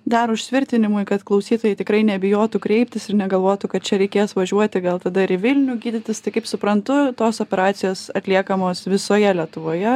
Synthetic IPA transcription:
d̪ɐɾʊʃʲt̪ʲʋʲɪɾʲt̪ʲɪnʲɪmʊɪkɐt̪klˠɐʊsʲiːt̪oːjɛɪt̪ʲɪkɾɐɪnʲɛbʲɪjoːt̪ukɾʲɛɪpʲt̪ʲɪsɪɾnʲɛɡɐlˠʋoːt̪ukɐt̪̚t͡ʃʲɛɾʲɛɪkʲeːsʋɐʒʲuɔt̪ʲɪɡɐlˠt̪ɐd̪ɐɪɾɪʋʲɪlʲnʲʊɡʲiːd̪ʲɪt̪ʲɪst̪ɐɪkɐɪpsʊpɾɐnt̪ʊt̪oːsoːpʲɛɾɑːt̪sʲɪjoːsɐt̪ʲlʲiɛkɐmoːsʋʲɪsoːjɛlʲiɛt̪ʊʋoːjɛ

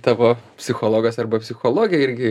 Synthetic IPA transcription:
t̪ɑːʋoːpʲsʲɪxoːlˠoːɡɐsɐrbɐpʲsʲɪxoːlˠoːɡʲjɛɪɾʲɡʲɪ

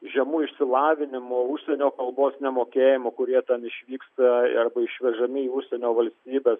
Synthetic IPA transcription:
ʒʲɛmuːɪʃʲsʲɪlˠɑːʋʲɪnʲɪmoːʊʃʲsʲɛnʲoːkɐlˠboːsnʲɛmoːkʲeːjɪmoːkʊɾʲiɛt̪ʲɛnɪʃʲʋʲiːkst̪ɐɐrbɐɪʃʲʋʲɛʒɐmʲɪiːʊʃʲsʲɛnʲoːʋɐlʲsʲt̪ʲiːbʲeːs

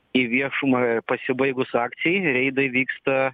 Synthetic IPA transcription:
iʋʲiɛʃʊmɐpɐsʲɪbɐɪɡʊsɑːkt̪sʲɪjɛɪɾʲɛɪd̪ɐɪʋʲiːkst̪ɐ

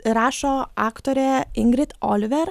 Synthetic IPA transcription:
ɾæʃɑʔækt̪ʊɾəʔɪŋɡɾɪt̪ʔɑ̰lʋəɾ

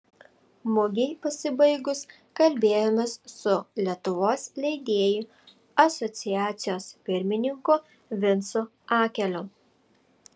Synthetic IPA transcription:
mʊɡʲɛɪpɐsʲɪbɐɪɡʊs | kɐlʲbʲeːjoːmʲɛssʊlʲiɛt̪ʊʋoːslʲɛɪd̪ʲeːjʊ | ɐsɔt̪sʲɪjæːt̪sʲɪjoːspʲɪɾʲmʲɪnʲɪŋkʊ | ʋʲɪnsʊ | ɑːkʲɛlʲo

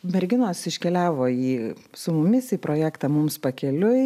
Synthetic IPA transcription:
mʲɛɾʲɡʲɪnoːsɪʃʲkʲɛlʲæːʋoːiːsʊmʊmʲɪsiːpɾʔoːjæːkt̪ɑːmʊmspɐkʲɛlʲʊ

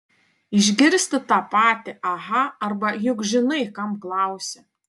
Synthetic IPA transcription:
iʒʲɡʲɪɾʲsʲt̪ʲɪt̪ɑpɑːt̪ʲɪʔɐɦɐɐrbɐjʊɡʒʲɪnɐjkɐmklˠɑwsʲɛ

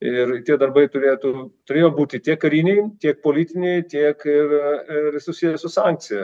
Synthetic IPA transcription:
ɪrt̪ʲiɛd̪ɐɾbɐɪt̪ʊɾʲeːt̪ut̪ʊɾʲeːjoːbuːt̪ʲɪt̪ʲiɛkkːɐɾʲiːnʲɛɪt̪ʲiɛk̚poːlʲiːt̪ʲɪnʲɛɪt̪ʲiɛkɪrɪɾsʊsʲiːjɛsʊsɑŋk̚t̪sʲɪjɛ

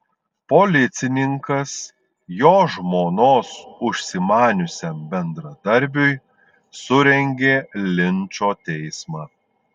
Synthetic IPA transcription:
polʲɪt̪sʲɪnʲɪŋkɐs | joːʒmoːnoːsʊʃʲsʲɪmɑːnʲʊsʲɛmbʲɛnd̪ɾɐd̪ɐɾʲbʲʊj | sʊɾʲɛŋʲɡʲeːlʲɪnʲt͡ʃoːt̪ʲɛɪsmɑː

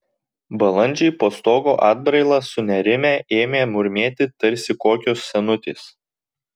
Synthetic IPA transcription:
bɐlˠɐnʲˑd͡ʒʲɛɪpoːst̪oːɡoːʔɑːd̪̚bɾɐɪlˠɑsʊnʲɛɾʲɪmʲæːʔeːmʲeːmʊɾʲmʲeːt̪ʲɪt̪ɐɾʲsʲɪkoːkʲoːsːʲɛnʊt̪ʲḛːs

